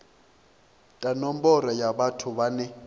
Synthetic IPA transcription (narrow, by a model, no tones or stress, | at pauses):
tʼanɔm̩bɔrajaɓatʰʊβanɛ